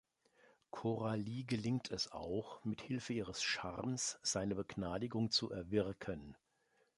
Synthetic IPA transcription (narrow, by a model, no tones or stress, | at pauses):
kʰoʁaliːɡəlɪŋtʰɛsa̰ʊxmɪthɪlfəiːʁəsʃa̰ʁmsz̥aɪnəbəɡnaːdɪɡʊŋt͡suʔɛɐvɪʁkʰən